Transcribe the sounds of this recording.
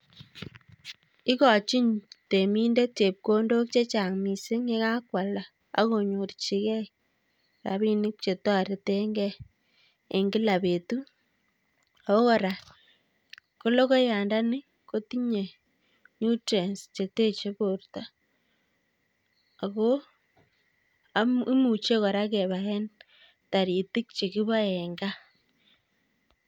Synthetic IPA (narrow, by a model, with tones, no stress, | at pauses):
i˦kɔ˨t͡ʃi˦ɲte˨mi˦nde˦t̚t͡ʃe˨p̚ko˦ndo˦k̚t͡ʃe˦t͡ʃa˨ŋmi˨se˦ŋe˦ka˦kwa˨la˨ | a̰˦ko˨ɲo˨rt͡ʃi˦kɛ˦i | ɾa̰˨βi˦nɪ˦k̚t͡ʃe˨twa˦ɾe˨te˦ŋɡɛː˦˨ | ŋɡi˦la˨pe˨tu˦ | a˨ko˦kɔ˨ɾa˨ | ko˦lo˦ɣo˦jaː˨nda˦ni˦ | ko˦ti˦ɲe˨ | ɲu˦te˨nst͡ʃe˨te˦t͡ʃe˦βoɾuta˦ | a˨ɣo˦ | ami˦mu˨t͡ʃe˦ɣo˨ɾa˦ke˨βa˨e˦n | ta˨ɾi˨ti˦k̚t͡ʃe˨ɣi˦βa˦eŋɡa˦